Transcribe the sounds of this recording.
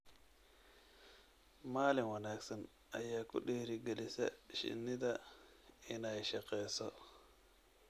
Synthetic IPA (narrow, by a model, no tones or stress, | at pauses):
maːlɪŋwɐnaːkɡsɐn | ɐjaːkʊ̰ɗihɾiɡɛlɪsɛ̰ʃɪ̰nːɪd̪ɐ | ɪnaʃɐqɛːsɔ